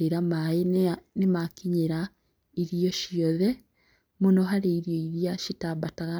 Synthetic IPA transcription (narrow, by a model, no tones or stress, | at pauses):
eɾamaenemakiɲeɾa | iɾijɔʃjɔðɛ | monɔɦaɾeiɾijɔiɾijaʃitabataɣa